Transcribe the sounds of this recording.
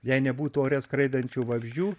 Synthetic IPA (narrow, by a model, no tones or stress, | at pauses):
jɛɪnʲɛbuːt̪uoːɾʲɛskɾɐɪd̪ɐnʲt͡ʃʲuːʋɐbʲʒʲd͡ʒʲuː